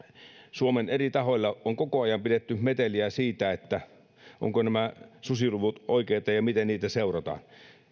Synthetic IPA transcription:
suomenerit̪ɑɦolʲːɑoŋkokoɑjɑmpidet̪ːymet̪eliæsiːt̪æet̪ːæ | ʔo̰ŋkonæmæsusiluʋut̪ʔoikeːt̪ɑjɑmit̪enniːt̪æseurɑt̪ɑ̰ːn

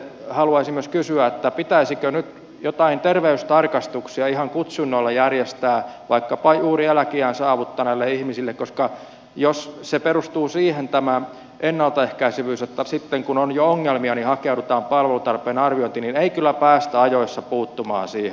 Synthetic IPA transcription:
hɑluɑisimːyøskysyæet̪ːæpit̪æisikønyt̪ | jot̪ɑint̪erʋeyst̪ɑrkɑst̪uksiɑihɑŋkut̪sunːolːɑjærjest̪æːʋɑikːɑpɑjuːriælækiæːnsɑːʋut̪ːɑnælːeihmisilːekkoskɑ | josseperust̪uːsiːhent̪æmæ | ʔenːɑlt̪ɑehkæisyʋyːset̪ːæsit̪ːeŋkunonjooŋːelmiɑnihɑkeuɾut̪ɑːmpɑlʋelut̪ɑrpˑeːnɑrʋioint̪inineikylːæpæːst̪æɑjoisːɑpuːt̪ːumɑ̰ːnsiːhe

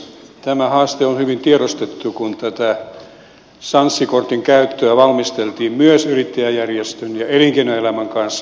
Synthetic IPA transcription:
t̪æmæhɑːst̪eonhyʋint̪ieɾost̪et̪ːukunt̪æt̪æ | sɑnsːikort̪iŋkæyt̪ːøæʋɑlmist̪elt̪iːmmyøsyrit̪ːejæjærjest̪ønjɑeliŋkenoelæmæŋkɑnsː

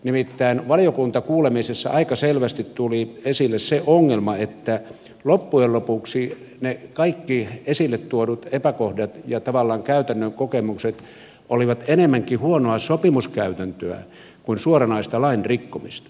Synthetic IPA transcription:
nimit̪ːæinʋɑlijokunt̪ɑkuːlemisesːɑ̰ʔɑikɑselʋæst̪it̪t̪uliesilːesseʔoŋːelmɑet̪ːæ | lopːuellopuksi | nekɑikːiesilːet̪t̪uodut̪epækohdɑt̪jɑt̪ɑʋɑlːɑːŋkæyt̪ænːøŋkokemukset̪ | ʔoliʋɑt̪enemːæŋkihuonoɑsopimuskæyt̪ænt̪øæ̰ | kuinsuorɑnɑist̪ɑlɑinrikːomist̪ɑ̥

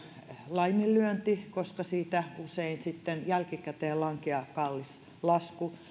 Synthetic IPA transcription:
lɑimilːˑyønt̪ikoskɑsiːt̪æuseinsit̪ːenjælkikæt̪eːlɑŋkeɑkɑlːis | lɑsku

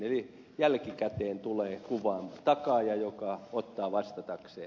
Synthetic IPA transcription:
eli | jælkikæt̪eːnt̪uleːkuʋɑːmt̪ɑkɑjɑjokɑot̪ːɑːʋɑst̪ɑt̪ɑkseː

